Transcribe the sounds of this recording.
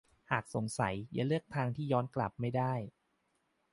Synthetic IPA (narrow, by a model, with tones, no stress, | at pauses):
haː˨˩k̚so˨˩˦ŋsa̰˩˦jja̰˨˩˦lɯ˥˩ək̚t̪ʰaː˧ŋt̪ʰiː˥˩jɔː˦˥nkla˨˩p̚ma˥˩jdaː˥˩j